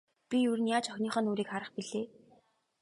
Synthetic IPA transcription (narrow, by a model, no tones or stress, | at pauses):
pʲijurɘ̆njaːt͡ɕɔxʲniːχœːnoːɾiːkχaɾə̆χpiɮeː